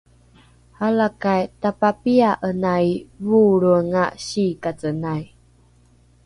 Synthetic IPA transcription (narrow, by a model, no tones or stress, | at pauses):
halakajtapapiaʔənaivuɾuŋaɕikat͡sənaj